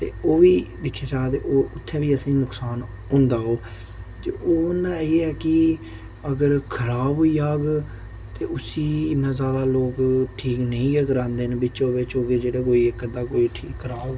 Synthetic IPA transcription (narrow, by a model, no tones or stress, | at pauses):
t̪ḛːoːʋiːd̪ɪkʰːaːt͡ʃaːd̪eːʔoːʊt̪ʰːẽːʋiːəsĩːnʊksaːn | ɦʊ̃ːnd̪aːɦoː | t̪eʔoːʊnd̪aːeɛːkɪ | əɡəɾkʰəɾaːbɦoːiːaːɡ | t̪eːʊsiːɪnãːzaːd̪aːloːkʈʰiːknəĩːɛːɡəɾãːnd̪eːnbɪt͡ʃõːʋɪt͡ʃoːɡeːd͡ʒeːɽaːkoːiːkəd̪aːkoːiːʈʰiːkːəɾaːɡ